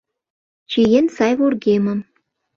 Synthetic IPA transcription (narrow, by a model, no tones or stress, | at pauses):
t͡ɕijensɑjβorɣemə̆m